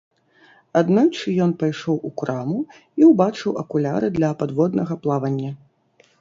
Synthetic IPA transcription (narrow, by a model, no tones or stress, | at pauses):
ad̪nat͡ʂɨjɔnpajʂɔwukɾamu | iwbat͡ʂɨwɐkulʲaɾɨd̪lʲɐpad̪vɔd̪nɐɣɐplˠavɐnʲːɐ